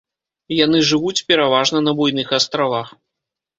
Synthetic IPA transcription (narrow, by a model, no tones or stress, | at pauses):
jan̪ɨʐɨvut͡sʲpʲɛɾavaʐnɐnɐbujnɨxast̪ɾavax